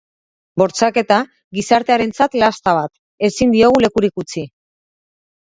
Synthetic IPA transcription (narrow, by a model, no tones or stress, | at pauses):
bo̞ɾt͡sake̞t̪a | ɣisaɾt̪e̞aɾe̞nt͡sat̪last̪aβ̞at̪ | e̞sind̪io̞ɣ̞ule̞kuɾikut͡si